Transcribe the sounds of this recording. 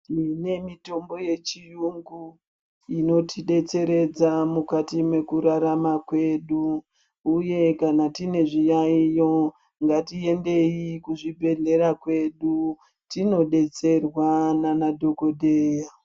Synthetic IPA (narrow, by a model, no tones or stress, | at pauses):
ine̞mito̞mbo̞je̞t͡ʃijuŋɡu | ino̞tiɗe̞t͡se̞ɾe̞d͡zamukatimwe̞kuɾaɾamakwe̞ɗuː | je̞kanatine̞ʐijaijo̞ | ŋɡatie̞nde̞ikuʐibʱe̞nde̞ɾakwe̞ɗu | tino̞ɗe̞t͡se̞rwananadʱo̞ko̞dʱeːja